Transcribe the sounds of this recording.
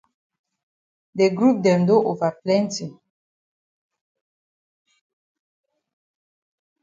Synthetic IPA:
dɛ˨ɡɾu˦˨p̚dɛ˨ndo˦ʔo˨va˨plɛ˦n˦ti˨

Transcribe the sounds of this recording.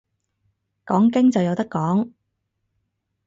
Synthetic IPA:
kɔː˨˥ŋkɪ˥ŋt͡sɐ˨wjɐ˧wt̪ɐ˥kːɔː˨˥ŋ

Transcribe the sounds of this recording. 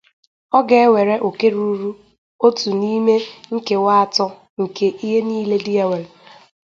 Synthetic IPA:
ɔ˦ɡe˨˦we˨ɾe˦ʔo˨ke˦ɾu˦ɾu˦ | o˦tu˨ni˦me˦ŋ̩˦ke˨wa˦a˨tɔ˦ | ŋ̩˨ke˨ʔi˦ɦe˦niː˦le˦di˦a˦we˨ɾ

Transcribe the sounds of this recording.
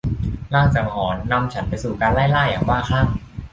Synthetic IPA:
laː˥˩ŋt͡ɕaː˨˩k̚hɔː˩˦nːa˧mt͡ɕʰa˦˥npa˧jsuː˨˩kaː˧nlaː˥˩jlaː˥˩jaː˨˩ŋwaː˥˩xʰa˥˩ŋ

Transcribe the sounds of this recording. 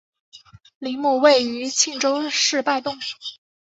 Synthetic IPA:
li˧˥ŋmu˥˧we˥˩ɪy˧˥t͡ɕʰi˥˩ŋʈ͡ʂo˥ʊʂɻ̩˥˧pa˥˧ɪt̪ʊ˥˩ŋ

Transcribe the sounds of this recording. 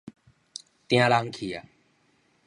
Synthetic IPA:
t̪ɪ̃jãː˦laːŋkʰiː˨jaː˨

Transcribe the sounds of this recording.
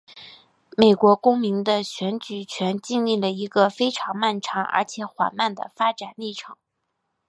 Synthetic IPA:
me˨˩ɪkwɔ˧˥kʊ˥ŋmi˧˥ŋd̪ə˧ɕɥɛ˧˥nt͡ɕy˨˩t͡ɕʰɥɛ˧˥nt͡ɕi˥˧nli˥˩lə˩i˧˥ɡə˧fe˥ɪʈ͡ʂʰɑ˧˥ŋma˥˩nʈ͡ʂʰɑ˧˥ŋə̰˧˥t͡ɕʰjɛ˨˧˥xwa̰˨˩nma˥˩nd̪ə̰˩fa˥ʈ͡ʂa˨˩nli˥˩ʈ͡ʂʰɤ˨˩˦ŋ

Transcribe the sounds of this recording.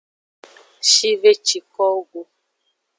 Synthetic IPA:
ʃi˦ve˦t͡ʃi˨kɔ˦ɡo˦

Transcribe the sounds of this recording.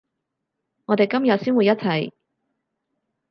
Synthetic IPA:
ŋɔː˨˧t̪e˨jkɐ˥mjɐ˨t̚siː˥nwu˨˧jɐ˥t̚t͡sʰɐ˨˩j

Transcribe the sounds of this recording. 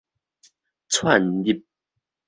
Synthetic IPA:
t͡sʰwa˥˨ndi˥˩p̚

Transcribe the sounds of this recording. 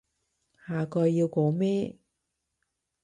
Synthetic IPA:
haː˨kɔː˧jːiː˧wkɔː˨˥mɛː˥

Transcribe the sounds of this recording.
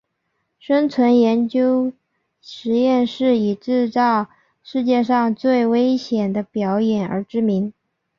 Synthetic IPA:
ʂə˥ŋt͡sʰwə˧˥njɛ˧˥nt͡ɕjo˥ʊ | ʂɻ̩˧˥jɛ˥˧nʂɻ̩˥˩i˨˩ʈ͡ʂɻ̩˥˧t͡sɑ˥˧ʊ | ʂɻ̩˥˧t͡ɕjɛ˥˧ʂɑ˥˧ŋt͡swe˥˩ɪwe˥ɪɕjɛ˨˩nd̪ə˦pjɑ˧˥ʊjɛ˨˩nə̰˞˧˥ʈ͡ʂɻ̩˥mi˧˥ŋ

